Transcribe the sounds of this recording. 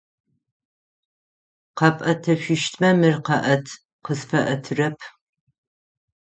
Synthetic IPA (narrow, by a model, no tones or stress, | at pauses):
qɐpʼɐtʰɐɕʷɪʃtʰʼmɐmɨrqɐʔɐtʰ | qəsfɐʔɐtʰɨrɐpʰ